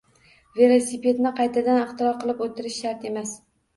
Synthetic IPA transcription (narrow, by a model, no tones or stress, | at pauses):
ve̞lˠosipe̞d̪nɪqʰɑjt̪ʰad̪anɪχt̪ʰɪɾɒɾqʰɨlˠɪpot̪ʰɪɾɪʃːaɾt̪e̞mas